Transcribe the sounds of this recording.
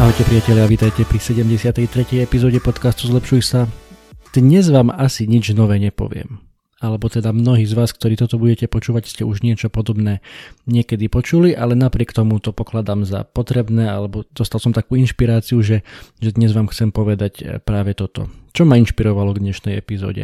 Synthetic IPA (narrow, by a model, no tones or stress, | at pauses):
aɦɔcɛpɾiɪacɛʎjaʋiːt̪ajcɛpɾisɛɟɛmɟɛsɪat̪ɛjt̪ɾɛcɛjɛpizɔːɟɛpɔt̪kast̪uzlɛpʃujsad̪̥ɲɛzʋaːmasiɲid͡ʒnɔʋɛːɲɛpɔ̰ʋɪɛ̰m | alɛbɔt̪ɛd̪amnɔɦiːzʋaːskt̪ɔɾiːt̪ɔt̪ɔbuɟɛcɛpɔt͡ʃuːʋacscɛʔuʒɲɪɛt͡ʃɔpɔd̪ɔbnɛːɲɪɛkɛd̪ipɔt͡ʃuliʔalɛnapɾɪɛkt̪ɔmut̪ɔpɔklad̪aːmza̰pɔt̪ɾɛbnɛːalɛbɔd̪ɔst̪alsɔmt̪akuːinʃpiɾaːt͡siuʒɛʒɛd̪ɲɛzʋaːmxt͡sɛmpɔʋɛd̪acpɾaːʋɛt̪ɔt̪ɔ̰t͡ʃɔmainʃpiɾɔʋalɔɡd̪ɲɛʃnɛjɛ̰pizɔ̰ːɟɛ̰